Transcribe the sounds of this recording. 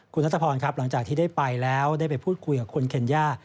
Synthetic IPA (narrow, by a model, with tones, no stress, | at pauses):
kʰu˧nːa˦˥t̪ʰːpʰɔː˧nkʰa˦˥p̚la˩˦ŋt͡ɕaː˨˩k̚t̪ʰiː˥˩daː˥˩pa˧jlɛː˦˥wdaː˥˩jpa˧jpʰuː˥˩t̪̚kʰu˧jkaː˨˩kʰu˧ənkʰe˧njaː˥˩